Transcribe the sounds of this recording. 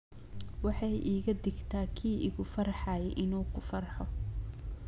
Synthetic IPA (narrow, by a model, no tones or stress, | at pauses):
wɑħɑjʔiːɣɐd̪ɪɡt̪ʰaːkʰiːɪɣʊfɐɾħɑːjɛʔɪnuːkʰʊfɐrħɔ